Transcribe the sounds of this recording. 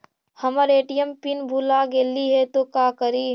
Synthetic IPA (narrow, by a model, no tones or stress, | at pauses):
həməɾeːʈijəmpinbʱulaɡeːliɦɛt̪okaːkəɾiː